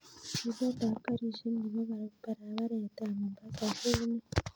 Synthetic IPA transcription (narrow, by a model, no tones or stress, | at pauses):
iβotakaɾiʒiniβoβaɾupaɾaβaɾetamumbakazeine